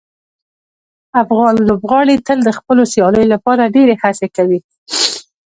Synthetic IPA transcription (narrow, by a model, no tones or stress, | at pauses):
afɣɑnlobɣɑɽit̪əld̪əxpəlosjɑləjolapɑɾaɖeɾehasekawi